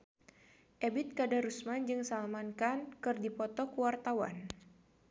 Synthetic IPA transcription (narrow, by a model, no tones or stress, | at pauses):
ʔebɪt̪̚kadaɾusmand͡ʒɨŋsalmankankɨrdipɔt̪ɔkuwart̪awa̰n